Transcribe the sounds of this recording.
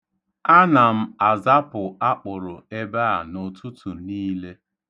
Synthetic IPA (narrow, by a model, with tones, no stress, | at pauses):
a˦na˨m̩˦a˨za˦pʊ˨a˦k͡pʊ˨ɾʊ˨e˦ba˦a̰˨nʊ˨tu˦tu˨niː˦le˦